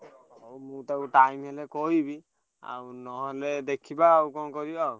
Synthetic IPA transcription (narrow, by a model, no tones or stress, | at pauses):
owmũt̪ew̃ʈajmɦelekoɦibi | a̰wnɔɦɔled̪ekʰibaːwkɔnkɔɾia